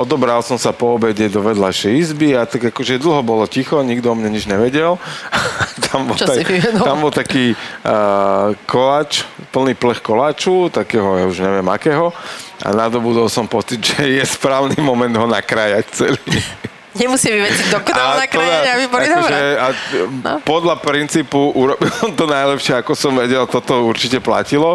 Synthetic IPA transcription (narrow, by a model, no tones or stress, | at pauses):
ʔɔd̪ɔbɾalsɔmsapɔːbɛɟɛd̪ɔʋɛd̪lajʃɛjizbiat̪aɡakɔʒɛd̪l̩ˠɦɔbɔlɔcixɔɲiɡd̪ɔmɲɛɲid͡ʒɲɛʋɛɟɛl | t̪ʰambɔt͡ʃɔaiiʋɛd̪ɔlambɔlˠt̪akiː | kʰɔlaːt͡ʃpl̩niːplɛxkɔlaːt͡ʃut̪akɛːɦɔjauʒɲɛʋɪɛmakɛːɦɔʔa̰nad̪ɔbud̪ɔlsɔmpɔt͡sid̪ʒɛjɛspɾaːʊnimɔmɛnd̪ɦɔnakɾajact͡sɛliː | ɲɛmusɪaʋiʋɛd͡zid̪ɔkɔɔanatkɾɔad̪aaʋibɔlid̪ɔbɾʒɛa | pɔd̪ʎapɾint͡siːpuʔuɾɔbilsɔmt̪ɔnajlɛpʃɪɛakɔsɔmʋɛɟɛlt̪ɔt̪ɔuɾt͡ʃicɛpla̰cilɔ